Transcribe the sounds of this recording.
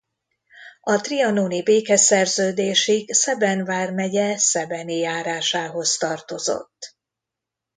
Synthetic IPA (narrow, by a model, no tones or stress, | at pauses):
ɒt̪riɒnoːnibeːkɛsɛrzøːd̪eːʃiksɛbɛnvaːrmɛɟɛsɛbɛnijaːɾaːʃaːɦo̞st̪ɒrt̪o̞zo̞̰t̪ː